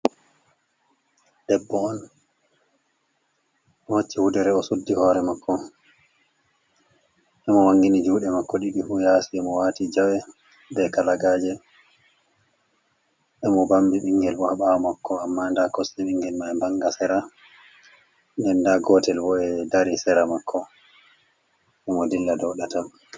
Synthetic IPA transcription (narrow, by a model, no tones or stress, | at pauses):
d̥ɛbːɔɔn | hot͡ʃːihudɛɾɛɔsudːihɔːɾɛmakːɔ | ʔɛmɔwaŋɡinid͡ʒuːɗɛmakːɔɗiɗifujaːsiɛmɔwaːtid͡ʒawɛ | dɛkalaɡaːd͡ʒɛ | ʔɛmɔbambiɓiŋɡɛlɓɔhaɓawɔmakːɔamːandakɔsiɓiŋɡɛlmajbaŋɡasɛɾa | nɛndaɡɔtɛlbɔɛdaɾisɛɾamakʰːɔ | ʔɛmɔdilːadɔɗata